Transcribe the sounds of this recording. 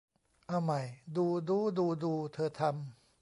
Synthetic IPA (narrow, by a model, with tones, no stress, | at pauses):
ʔa˧˩wma˨˩jduː˧duː˧˥duː˧duː˧t̪ʰɤː˧t̪ʰa˧m